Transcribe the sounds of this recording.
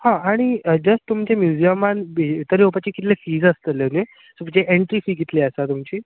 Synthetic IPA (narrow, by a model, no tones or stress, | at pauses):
hãaɽ̃id͡ʑəsʈt̪umt͡ɕemjud͡ʑiəmanbit̪əɾiopat͡ɕikit̪lefiːd͡zəst̪əlene | subt͡ɕeʔeɳʈɾifiːɡit̪leəsat̪umt͡ɕiː